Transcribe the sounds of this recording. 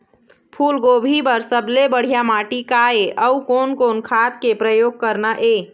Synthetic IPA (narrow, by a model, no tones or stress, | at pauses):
pʰulɡobʱibəɾsəblebəɽ̤ijamaʈikaeʔəukonkonkʰat̪̚kepɾəjoɡ̚kəɾnaʔe